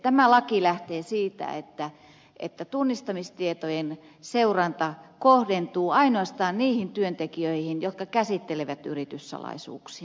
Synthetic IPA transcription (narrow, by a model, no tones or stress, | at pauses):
t̪æmælɑkilæht̪eːsiːt̪æ̰ḛt̪ːæ | ʔḛt̪ːæt̪unːist̪ɑmist̪iet̪ojen | seurɑnt̪ɑkohdent̪uːɑinoɑst̪ɑːnniːhint̪yønt̪ekiøihinjot̪kɑkæsit̪ːeleʋæt̪y̰rit̪yssɑ̰lɑ̰isṵːksi̥ɑ